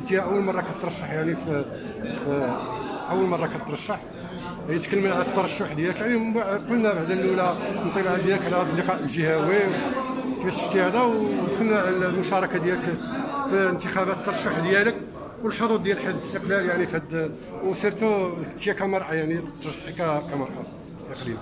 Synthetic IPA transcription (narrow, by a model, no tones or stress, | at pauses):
d̪jæʔəwːəlmɑrˤːɑkæt̪ːɾˤɑʃːəħjaʕnif | ʔəwːəlmɑrˤːɑkæt̪ːɾˤɑʃːəħ | hjət̪kəlːməlʕalæt̪ːɑɾˤɑʃːʊħd̪jæləkjaʕnibqʊlnæbaʕd̪ælːulænt̪ˤilʕlæd̪jæləkʕlæd̪ˤlːiqɑʔəlʒəhæwiwt̪məʃːə̥ʃt̪ihæd̪æwd̪xʊlnæʕlmʊʃɑɾˤɑkɑd̪jæləkfiənt̪əxæbæt̪t̪ːɑɾˤɑʃːəħd̪jælək | wəlħod̪ˤud̪̚ˤd̪jælħəzbəst̪əqlæljaʕnifəd̪ | wsˤiɾt̪ut̪ːəjækæmɑɾˤʔɑjaʕnit̪ːɾˤɑʒħt̪ikækæmɑɾˤʔɑ̰ | ʔəqɾim